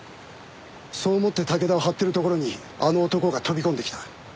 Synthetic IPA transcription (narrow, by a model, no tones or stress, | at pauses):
so̞ːmo̞t̪ːe̞t̪ake̞d̪aoɦat̪ːe̞ɾɯ̟t̪o̞ko̞ɾo̞ɲ̟i | ano̞ːt̪o̞ko̞ɡat̪o̞bʲikõ̞nd̪e̞kʲi̥t̪ḁ